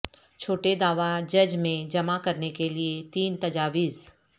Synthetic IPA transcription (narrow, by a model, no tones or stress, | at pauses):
t͡ʃʰoːʈed̪aːʋad͡ʒɐd͡ʒmẽd͡ʒɐmakɐɾnekeliet̪iːnt̪ɐd͡ʒaːʋiːz